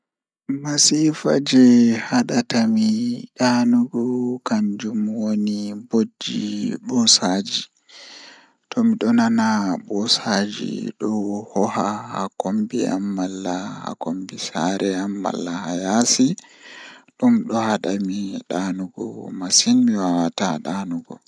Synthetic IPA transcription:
masifa̰d͡ʒɛhaɗatamiɗanuɡɔkaɲd͡ʒumwonibod͡ʒːiɓɔsad͡ʒi | tʰɔmiɗɔnanabɔsad͡ʒḭɗɔhɔhahakombia̰mːalːaha̰kombisaɾɛamːa̰lːahajasi | ɗumɗɔhaɗamiɗanuɡɔ̰masinmiwawataɗanuɡɔ̰

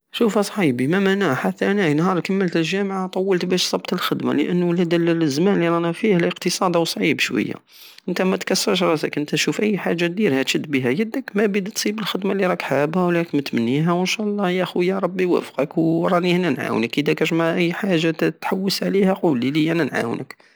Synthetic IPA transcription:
ʃufhæsˤħibimæmanaħat̪ːænæjnhɑɾˤkæmːəlt̪əlʒæmʕat̪ˤɑwːəlt̪bæʃsˤɑb̚t̪əlxəd̪ma̰lə̰ʔənːulæd̪ləzmænliɾˤɑnæfihæləqt̪əsˤɑd̪ɑwsˤʕibʃwə̰jːa̰ | ʔənt̪æmæt̪kɑsːəɾʃ̬ɾˤɑsəkʔənt̪æʃufʔəjːħaʒːat̪̚d̪iɾhæt̪ʃəd̪ːbiɦæjəd̪əkmæbid̪t̪sˤibəlxəd̪maliɾˤɑkħabæwlækmæt̪mənːiɦæwənʃæʔlˤːɑjæʔxwjæɾˤɑbːiwæ̰fqəkwɾˤɑnihænænʕa̰wnəkəd̪ækʒmaʕʔəjːħaʒːat̪t̪ħawːəsʕlihæqulilijænænʕa̰wnə̰k

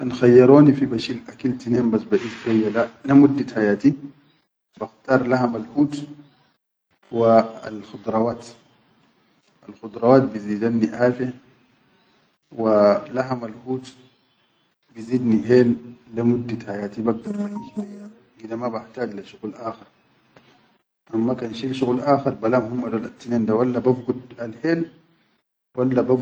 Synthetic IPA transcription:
ʔanxajːɑɾˤoːnifibaʃilʔakalt̪ineːmbasbaʔiːsʃwajːalalamud̪ːat̪ħajaːt̪i | b̥axt̪ɑːɾˤlahamalhuːt̪ | waa̰lxʊd̪ɾˤɑwaːt̪ | ʔalxʊd̪ɾˤɑwaːt̪̚biziːd̪anːiʔaːfia | walaɦamalhuːt̪ | biziːd̪niɦeːlːamud̪ːahajaːt̪ibaɡ̚d̪ɑɾˤaniaa | ʔid̪amabaħt̪aːd͡ʒlaʃʊɣuːlʔaːxɑɾˤ | ʔamːakanʃiːlʃuɣuːlʔaːxɑɾˤbalaːmhumːalolʔat̪ːineːnd̪awalːababɡud̪alheːl | walːabab

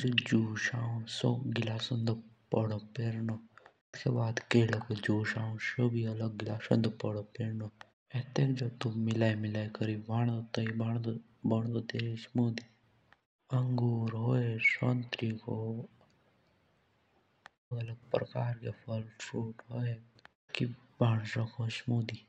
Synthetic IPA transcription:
d͡ʒd͡ʒuːʃaːõsoɡɪlaːsɐnd̪pəɽopeːɾno | skebaːd̪keːlokod͡ʒuːʃaːũsobʱiɐləɡːɪlaːsɐ̰nd̪pəɽopeːɾno | ɛt̪ekd͡ʒobt̪umɪlaːimɪlaːjkəɾiʋaːɳ̃d̪ot̪ɐibaɳd̪ | bɐɽ̃d̪ot̪eɾismuːd̪i | ɐŋɡuːɾɦoːesoːnt̪ɾiko | lɡɐləɡ̚pɾɐkaːɾkepʰəluːʈɦoe | kibʱaːɽ̃sãkʰosmuːd̪i

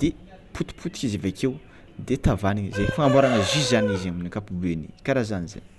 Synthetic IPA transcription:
d̪̥e | pʰut̪u̥pʰut̪i̥kʲizavakew | d̪et̪avaniŋizajfaŋambaɾaŋəʒizanizaminikapubenḭkaɾazaniza̰n

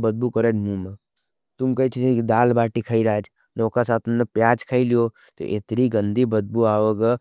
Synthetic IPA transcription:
bəd̪̚bukəɾenmũme | t̪umkət͡ʃʰit̪ʰikid̪aːlbaːʈikʰəiɾaːd͡ʒ | nokasaːt̪umnepjaːd͡ʒkʰəilijo | t̪o̰ʔḛt̪ɾiɡənd̪ʱibəd̪̚buaːʋəɡə

